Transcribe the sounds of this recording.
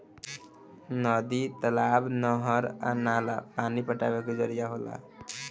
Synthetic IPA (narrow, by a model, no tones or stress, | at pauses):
nɔd̪it̪əlaːbnɔɦəɾa̰naːlapaːnipəʈa̰ːʋeked͡ʒəɾijaɦola̰